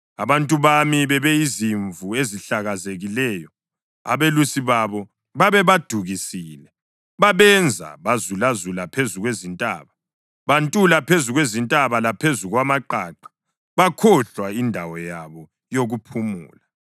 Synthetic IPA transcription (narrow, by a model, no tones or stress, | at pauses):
aβantʼuβamiβɛβɛiziɱvueziɬaɣazeɣilɛːjɔ | a̰βelusiβaβɔ | βaβɛβad̥ʱuɣisiːlɛ | βaβɛnd͡zʱa̰βazulazulapʰezuɣwezintʼa̰ːβa | βantʼulapʰezuɣwezintʼaβalapʰezuɣwamaǃaːǃḁ | βakʰɔɬwaindʱawɔjaβɔ | joɣupʰumṵːla